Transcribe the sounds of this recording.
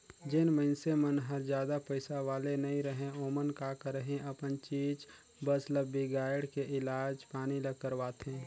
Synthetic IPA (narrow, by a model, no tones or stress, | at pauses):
d͡ʒɪnməɪnsemənɦəɾd͡ʒjaːd̪apəɪsaʋaːlenəĩɾəɦẽoːmənkakəɾəɦẽʔəpənt͡ʃiːd͡ʒ | bəsləbiɡaːjɽkeʔɪlaːd͡ʒpaːniləkːəɾʋaːt̪ɦẽː